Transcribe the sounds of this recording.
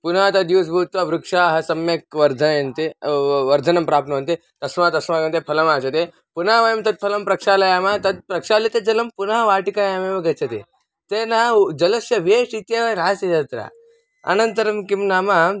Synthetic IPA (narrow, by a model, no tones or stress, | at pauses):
punaːt̪ɐd̪iʋs̬bʱuːt̪ʋaːʋɾukʂaːɦɐsɐmjɐk̚ʋɐɾd̪ʱɐjɐnt̪eʋɐɾd̪ʱɐnɐmpɾaːpnɐʋɐnt̪e | t̪ɐsmaːt̪ɐsmaːɡɐnt̪epʰɐlɐmaːt͡ʃɐt̪e | punaːʋɐjɐmt̪ɐt̪̚pʰɐlɐmpɾɐkʂaːlɐjaːmaːt̪ɐt̪̚pɾɐkʂaːlit̪ed͡ʒɐlɐmpunaːʋaːʈikaːjaːmeːmɐɡɐt͡ʃʰɐt̪ḛ | t̪eːnaːd͡ʒɐlɐsjɐʋʱeːʂit̪jɐʋɐɾaːsɐjɐt̪ɾa̰ː | ɐ̰nɐnt̪ɐɾɐmkimnaːmaː